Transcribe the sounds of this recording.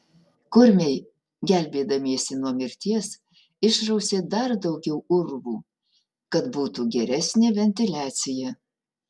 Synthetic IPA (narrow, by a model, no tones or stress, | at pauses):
kʊɾʲmʲɛɪ | ɡʲælʲbʲeːd̪ɐmʲiɛsʲɪnuɔmʲɪɾʲt̪ʲiɛs | ɪʃɾɐʊsʲeːd̪ɐɾd̪ɒʊɡʲɛʊʊɾʋuː | kɐt̪buːt̪uːɡʲɛɾʲɛsʲnʲeːʋʲɛnʲt̪ʲɪlʲæːt̪sʲɪjɛ